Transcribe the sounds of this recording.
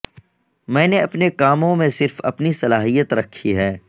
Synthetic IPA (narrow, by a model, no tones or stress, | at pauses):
mɛ̃ːneɐpnekaːmõmẽsɪɾfɐ̰pnisɐlaːɦijət̪ɾɐkʰːiɦɛː